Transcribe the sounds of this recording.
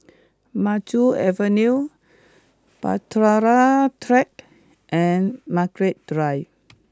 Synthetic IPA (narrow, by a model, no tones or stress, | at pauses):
mat͡ʃuɛvənu | pa̰tɾaɾatʰɾɛk | ʔɛ̃nmaɡɹet̚d̥ɹaj